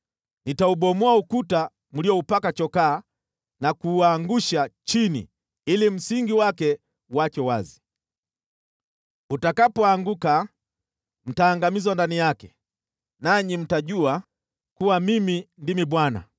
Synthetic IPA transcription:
nitauɓɔmuaukuta | m̩liɔupakat͡ʃɔkaː | nakuaŋɡuʃat͡ʃinḭ | ilim̩siŋɡiwakɛ | wat͡ʃɔwazi̥ | utakapɔaŋɡuka | m̩taːŋɡamizwandanijakɛ | naɲim̩taʄua | kuwamimindimiɓwana̰

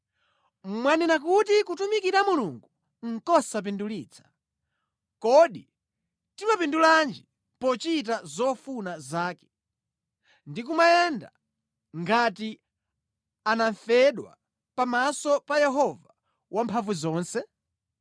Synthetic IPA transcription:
mwaninakutikutumikiɾamuluŋɡu | ŋ̩kɔsap̬induliːt͡sʰḁ | kɔɗi | timapinduland͡ʒi | pɔt͡ʃit̬azɔfunazaːkɛ̥ | ndikumajɛnda̰ | ŋɡati | anaɱfɛɗwa̰ | pamasɔpajɛɦɔva | wʔampʰavuzɔːnsɛ

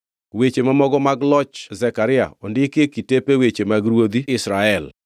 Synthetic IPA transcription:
wet͡ʃemamɔɡɔmaɡlɔt͡ʃzɛkaɾɪa̰ɔndɪkekitepewet͡ʃemaɡɾwod̪iɪsɾaɛl

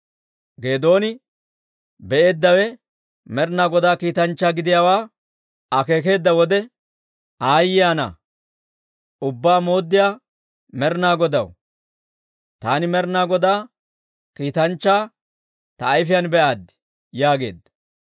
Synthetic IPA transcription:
ɡe̞ːd̪o̞ːnɪ | bɛʔe̞ːd̪ːɐwɛ | mɛɾnaːɡɔd̪aːkiːt̪ɐnt͡ʃːaːɡɪd̪ɪjaːwaː | ɐke̞ːk̬e̞ːd̪ːɐwɔd̪ɛ | aːjːɪjaːnɐ̰ | ʊbːaːmo̞ːd̪ːɪjaː | mɛɾnaːɡɔd̪ɐ̰w | t̪aːnɪmɛɾnaːɡɔd̪aː | kiːt̪ɐnt͡ʃːaː | t̪ɐːjfɪjanbɛʔaːd̪ɪ̥ | jaːɡe̞̰ːd̪ːɐ̥

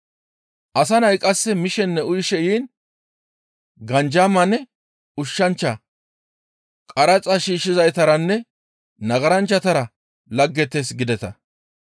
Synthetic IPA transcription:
ʔɐs̬ɐnɐjkʼɐsːɛmɪʃɛnːɛʊjɪʃɛjiːn | ɡɐnd͡ʒaːmɐnːɛ | ʊʃːɐnt͡ʃːɐ | kʼɐɾɐt͡sʼɐʃiːʃːɪzɐjt̪ɐɾɐnːɛ | nɐɡɐɾɐnt͡ʃːɐt̪ɐɾɐ | lɐɡːɛt̪ːesɡɪd̪ɛt̪ɐ

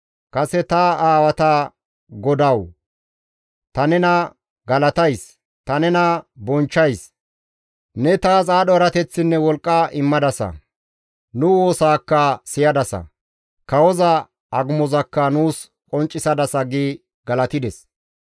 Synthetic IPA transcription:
kʼɐsɛt̪ɐaːwɐt̪ɐ | ɡɔd̪ɐw | t̪ɐnɛnɐ | ɡɐlɐt̪ɐjs | t̪ɐnɛnɐbɔnt͡ʃːɐjs | nɛt̪aːzaːɗɔɐɾɐt̪ɛt͡sːɪnːɛwɔlkʼːɐʔɪmːɐd̪ɐsɐ̰ | nʊwo̞ːsaːkːɐsɪjɐd̪ɐsɐ̰ | kɐwɔzɐ | ɐɡʊmɔzɐkːɐnuːs | kʼɔnt͡ʃʼːɪsɐd̪ɐsɐɡi | ɡɐlɐt̪ɪd̪ɛs

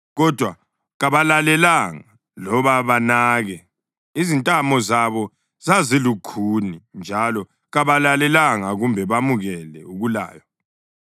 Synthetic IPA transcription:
ɣɔd̥ʱwa | ɣaβalalɛlaŋa | lɔβaβanaːɣɛ | izintʼamɔzaβɔ | zazilukʰunind͡ʒʱalɔ | ɣaβalalɛlaŋaɣumbʱɛβamuɣɛlɛ̰uɣula̰ːjɔ

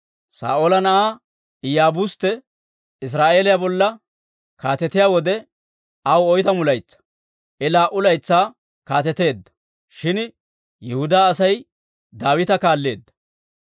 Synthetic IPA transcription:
sa̰ːʔoːlɐnɐʔaː | ɪjaːbʊst̪ːɛ | ɪs̬ɾaːʔe̞ːlɪjabɔlːɐ | kaːt̪ɛt̪ɪjaːwɔd̪ɛ | ɐwɔjt̪ɐmʊlɐjt͡sːɐ̥ | ʔɛlaːʔʊlɐjt͡sːaː | kaːt̪ɛt̪e̞ːd̪ːɐ̥ | ʃɪn | jɛhʊd̪aːsɐj | d̪aːwɪt̪ɐkaːlːe̞ːd̪ːɐ̥

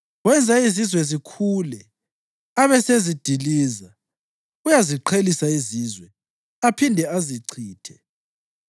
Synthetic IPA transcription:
wɛnd͡zʱaizizwɛzikʰuːlɛ | aβɛsezid̥ʱiliːza | ujaziǃʰelisaiziːzwɛ | apʰindʱɛaziǀʰiːtʰɛ̥

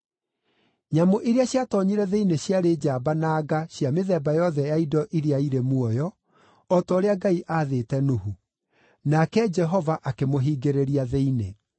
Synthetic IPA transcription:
ɲamoʔiɾeaɕjatɔɲiɾɛðeineɕjaɾed͡ʑaːbanaːɡaɕjameðɛbajɔðɛjaidɔʔiɾeaiɾemwɔjɔ | ɔtɔːɾeaɡaiʔaːðeːtɛnoɦu | nakɛd͡ʒɛɦɔvaʔakemoɦiːɡeɾeɾiaðeine

